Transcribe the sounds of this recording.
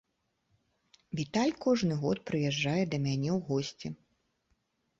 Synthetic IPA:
vʲit̪alʲkɔʐnɨɣɔ̰t̪̚pɾɨjɛʐːajɛd̪ɐmʲanʲɛwɣɔsʲt͡sʲi

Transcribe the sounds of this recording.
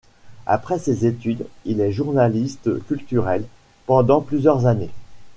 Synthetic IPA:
a̰pχɛsezet̪yd̪ilɛʒuʁnalist̪kʲylt̪yʁɛl | pɑ̃d̪ɑ̃plyzjœʁzane

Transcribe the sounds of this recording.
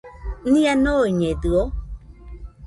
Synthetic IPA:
nĩanoiɲed̪ɯo

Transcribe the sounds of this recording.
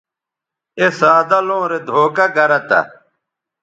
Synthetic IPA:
esaːd̪ɐlõːɾed̪ʱoːkɐɡɐɾɐt̪ɐ̰

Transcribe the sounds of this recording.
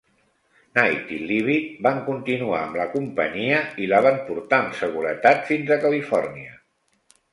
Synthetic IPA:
najt̪iliβit̪̚baŋkunt̪inua̰əmləkumpə̰ɲiəilaβampuɾt̪aəmsəɣ̞uɾət̪at̪finzəkəlifɔrniə

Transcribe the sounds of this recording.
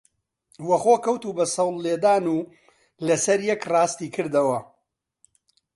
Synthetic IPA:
wɐχoːkɐwt̪uːbɐsɐwlːeːd̪aːnuː | lɐsɐɾjɛkrɑːst̪iːkʰɨɾd̪ɐwɐ

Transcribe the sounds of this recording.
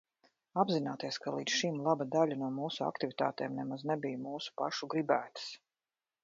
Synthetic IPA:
abzinaːt̪iɛskalˠiːt̪sʃimlˠabad̪aʎʲanuɔmuːsua̰kt̪ivʲit̪a̰ːt̪eːmnɛmaznebijmuːsu̥pa̰ʃuɡɾibæːt̪ɨ̥s

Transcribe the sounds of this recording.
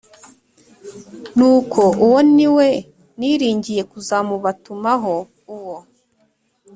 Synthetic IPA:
nuːkʰo̞ʔuwoniwe̞ | niɾiːɲɟije̞kuzamuβatumaɦo̞ | uwo

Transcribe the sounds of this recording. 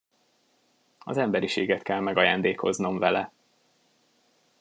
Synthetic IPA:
ɒ̰zɛmbɛɾiʃeːɡɛt̪kɛlmɛɡɒjaːnd̪eːko̞zno̞mvɛlɛ

